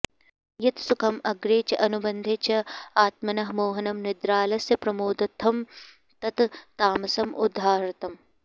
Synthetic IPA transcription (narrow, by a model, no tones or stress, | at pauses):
jɐt̪sʊkʰɐmɐɡɾeːt͡ʃɐʔɐnubɐnd̪ʱet͡ʃʰɐaːt̪mɐnɐɦmoːɦɐnɐmnɪd̪ɾaːlɐsɐpɾɐmoːd̪ɐt̪ʰːɐm | t̪ɐt̪t̪aːmɐsɐmʔʊ̰d̪ʱːaːɾɐt̪ɐm